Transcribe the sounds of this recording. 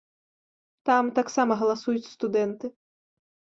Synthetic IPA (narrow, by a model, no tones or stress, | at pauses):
t̪amt̪aksamɐɣɐlˠasujut͡sʲst̪ud̪ɛnt̪ɨ